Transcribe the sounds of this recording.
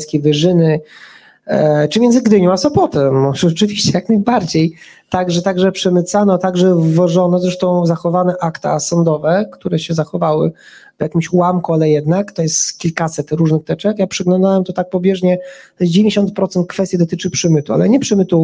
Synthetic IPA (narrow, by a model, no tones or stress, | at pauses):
skʲejvɘʐɘnɘ | t͡ʂɨmʲjɛndzɨɡd̪ɘɲɔ̃w̃asɔpɔt̪ɛmʐɛt͡ʂɘvʲiɕt͡ɕɛjaknajbaɾd͡ʑej | t̪aɡʐɛt̪aɡʐɛpʂɛmɘt̪sanɔt̪aɡʐɛvɔʐɔnɔzɾɛʂt̪ɔ̃w̃zaxɔvanɛʔakt̪a̰sɔnd̪ɔvɛkt̪uɾɛɕɛzaxɔvawɘ̰ | vjakʲimɕwamkualɛjɛd̪nakt̪ɔjɛst̪kʲilkasɛt̪ɾuʐnɘxt̪ɛt͡ʂɛkjapʂɛɡlɔnd̪awɛmt̪ɔt̪ak̚pɔbʲjɛʐɲɛt̪ɔjɛs̬̚d͡ʑɪvʲẽɲeɕɔnt̪̚pɾɔt̪sɛnt̪̚kfɛst̪jid̪ɔt̪ɘt͡ʂɘpʂɘmɘt̪ua̰lɛɲɛpʂɛmɘt̪u